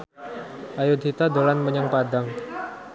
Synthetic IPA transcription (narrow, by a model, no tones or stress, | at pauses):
ʔajʊd̪ɦit̪ad̪olanməɲaŋpadaŋ